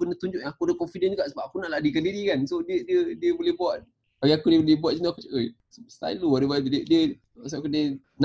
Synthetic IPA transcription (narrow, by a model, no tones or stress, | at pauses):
pənət̪uɲd͡ʒʊʔjãŋakudəkɔnfidənd͡ʒuɡaʔsəbap̚akunaʔladikandiɾikansodiədiədiəbolɛhbuaʔ̚ | awiakudiəbolibuaʔ̚sinaakut͡ʃəʔə | ssa̰jluadibaədiə | skudə | n